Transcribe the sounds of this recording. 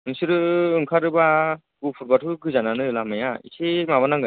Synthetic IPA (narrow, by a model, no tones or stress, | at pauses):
ɯŋsɯɾɯɯŋkʰaɾɯba | ɡupʰuɾbatʰuɡɯzananɯlamajaḭsemaβanaŋɡɯ